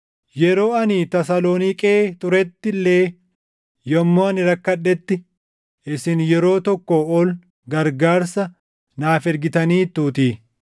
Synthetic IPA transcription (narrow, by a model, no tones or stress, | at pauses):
jɛɾo̞ːɐniːt̪ɐsaloːnikʼeːt̪ʊɾɛt̪ːɪlːeː | jɔmːoːɐnɪɾɐkːɐᶑːɛt̪ːɪ | ɪsɪnjɛɾo̞ːt̪ɔkːoɔl | ɡɐɾɡaːɾsɐ | naːfɛɾɡɪt̪ɐniːt̪ːuːt̪i